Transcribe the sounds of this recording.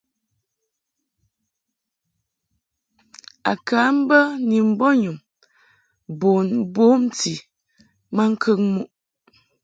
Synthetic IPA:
a̰˨kʰa˨˦m̩˦bə˦ni˨m̩˦˨bɔ˦ɲu˨m | bo˨nboː˨˦m˦ti˨ | ma˦ŋ̩˦kʰə˦ŋmu˦ʔ

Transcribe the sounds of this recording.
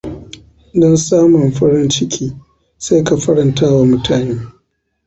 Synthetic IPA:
dɔ˦nsaː˦mʊ˨mɸɐ˦ɽɪ˦nt͡ʃɪ˦kʲʰiː˦ | sa˦ka˨ɸɐ˦ɽɐ˨ntaː˦wa˨mʊ˦tʰaː˨neː˦

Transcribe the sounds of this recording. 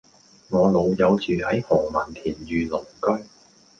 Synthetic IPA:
ŋɔː˨˧lo˨˧wjɐ˨˧wt͡ʃyː˨hɐ˨˥jhɔː˨˩ŋmɐ˨˩nt̪ʰiː˨˩njyː˨˧lʊ˨˩ŋkɵ˥ɥ

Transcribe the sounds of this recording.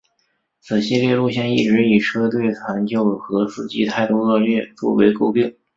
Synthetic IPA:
t͡sɹ̩˨˩ɕi˥ljɛ˥˧lu˥˧ɕjɛ˥˧ni˥˩ʈ͡ʂɻ̩˧˥i˨˩ʈ͡ʂʰɤ˥t̪̬we˥˩ɪt͡sʰwa˧˥nt͡ɕjo˥˩ʊxɤ˧˥sɹ̩˥˩t͡ɕi˧˥t̪ʰa˥˩ɪt̪u˥˧ɤ˥˧lɥɛ˥˧t͡swɔ̰˥˩wḛ˧˥ɪko˥˧ʊpi˥˩ŋ

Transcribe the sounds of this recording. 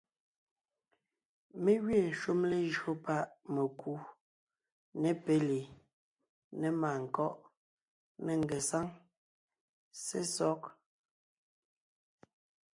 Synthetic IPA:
me˦ɣɥe˦˨ʃu˦mle˦ʒo˦pa˦ʔme˨ku˦ | nɛ˦˨pe˦li˨ | nɛ˨ma˨ŋ̩˨kɔ˦ʔ | ne˦ŋ˨ɡe˨sa˦ŋ | se˦sɔ˦k̚

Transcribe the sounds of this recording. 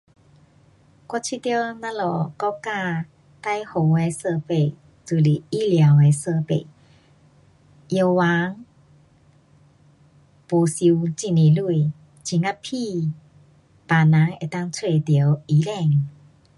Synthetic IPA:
kwɔ˥˧t͡ɕʰi˧˨t̪jə˥˧na˧˦lɔ˨˩kɔ˥˧kaː˧ | t̪a˥˧˨jho˨˧˦ŋe˧˦sə˧pe˨˩˨ | t͡su˧˩li˨i˦˥˨lja˨˦we˨˧sə˧pḛ˨ | jə˧wwa˨˦ŋ | po˨˧si˧wt͡ɕi˧˩ni˨˩lu˧˩i˨ | t͡ɕʰi˨˧˩ŋa˦˧pʰːi˧ | pa˨na˨˦ŋe˧˨t̪a˥˧˨ŋt͡sʰwe˧˨t̪jə˨˦wi˨˦lɛ˧˩˨ŋ

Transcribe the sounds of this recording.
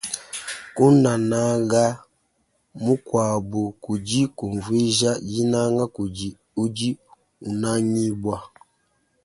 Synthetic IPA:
u˦na˨na˦ɡa˦ | mu˦kwa˨bu˨ku˨d͡ʒi˦ku˨ɱ˨vwi˦ʒa˦d͡ʒi˦na˦ŋɡa˦ku˨d͡ʒi˨ | u˦d͡ʒi˦ | u˨na˦ɲi˦bwa˦

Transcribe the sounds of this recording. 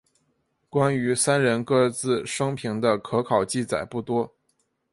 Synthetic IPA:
kwa˥ny˧˥sa˥nɻə˧˥nkɤ˥˧t͡sɹ̩˥˩ʂɤ˥ŋpʰi˧˥ŋd̪ə˧kʰɤ˧˥kʰɑ˨˩ʊt͡ɕi˥˩t͡sa˨˩ɪpu˥˩t̪wɔ˥

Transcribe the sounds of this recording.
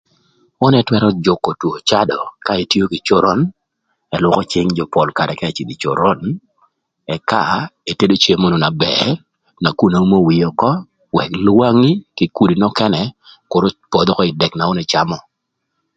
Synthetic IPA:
ɔ˦nɛ˦twɛ˦ɾɔ˦d͡ʒo˨kːɔ˨two˨t͡ʃa˦dɔ˨ka˦e˨tjo˦ki˨t͡ʃo˦ɾɔ˦n | ɛ˨lwʊ˦kɔ˦t͡ʃɪ˦ŋd͡ʒɔ˨pɔ˨lka˨ɾɛ˨kɛ˦˨t͡ʃi˨d̪i˨t͡ʃo̰˨ɾɔ˦n | ɛ˨ka˦˨e˨te˦do˦t͡ʃe˨˦mo˦no˨na˨bɛ̰˨ | na˨ku˦na˨u˦mo˦wi˨jɔ˨kɔ˦ | wɛ˨klwa˦ŋi˦kɪ˨ku˦˨di˨nɔ˦kɛ˦nɛ˨kʊ˨ɾo˦pɔ˨d̪ɔ˦kɔ˦ɪ˨dɛ˨kna˨ɔ˦nɛ˨t͡ʃa˦mɔ˨

